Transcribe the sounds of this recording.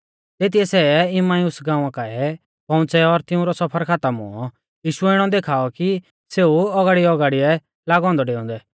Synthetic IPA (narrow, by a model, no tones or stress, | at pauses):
t̪eːt̪̬ijɛsɛːɪmaːiusɡãːʊ̃ãkaɛ | pɔ̃ʊ̃t͡sɛɔɾt̪ɪũɾɔsɐpʰəɾkʰaːt̪əmʊ̰ɔ | jiːʃʊɛɪɽ̃ɔd̪eːkʰaːɔki | seːuɔɡaːɽiɔɡaːɽiɛ | laːɡɔ̃ːnd̪ɔɖeːɔ̃ːnd̪ɛ